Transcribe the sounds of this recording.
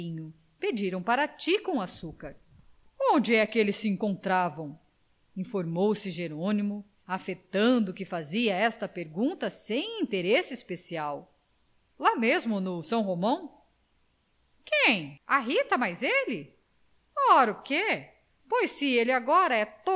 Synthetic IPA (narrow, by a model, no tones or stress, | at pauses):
ĩɲʊ | ped͡ʒiɾɐ̃w̃paɾɐt͡ʃikõw̃asukɐɾ | õnd͡ʒɪɛkɪelɪsːɪẽŋkõnt̪ɾavɐ̃w̃ | ĩfoɾmowsɪʒeɾõnimʊ | afet̪ɐ̃nd̪ʊkɪfaziɐɛst̪ɐpeɾɡũnt̪ɐsẽj̃ĩnt̪eɾesɪspesiaw | lamezmʊnʊsɐ̃w̃ɦomɐ̃w̃ | kẽj̃aɦit̪ɐmajzelɪ | ɔɾʊke | pojsːɪelɪaɡɔɾɐɛt̪o